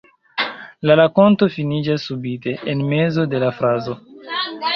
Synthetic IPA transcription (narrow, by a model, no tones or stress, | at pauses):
lalako̞nto̞finid͡ʒasːubite̞ʔenme̞zo̞de̞lafɾazo̞